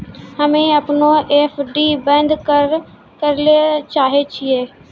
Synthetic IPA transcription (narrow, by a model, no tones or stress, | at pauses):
həmẽːəpnõːʔeːpʰɖiːbə̃nd̪kəɾ | kəɾlet͡ʃaːɦet͡ʃʰieː